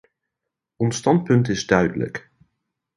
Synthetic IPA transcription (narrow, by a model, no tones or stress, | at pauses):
ɔnstɑnt̚pɵntɪzdœɥdə̰lə̰k